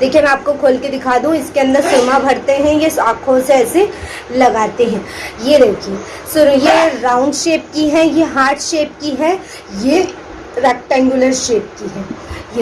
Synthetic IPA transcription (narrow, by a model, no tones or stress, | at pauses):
d̪eːkʰiemɛ̃aːp̚kokʰoːlked̪ɪkʰaːd̪ũɪskeɐ̃nd̪əɾsʊɾmabʱɐɽt̪eɦɛ̃jesaːkʰõseɛːse | lɐɡaːt̪eɦɛ̃ːjeɾɛːkʰi | sʊɾjeɾaːʊ̃ɳɖʃeːp̚kiɦɛjeɦaːɾʈʃeːpkiɦɛ | je | ɾɛːk̚ʈɛ̃ːŋɡjʊləɾʃeːp̚kiɦɛːje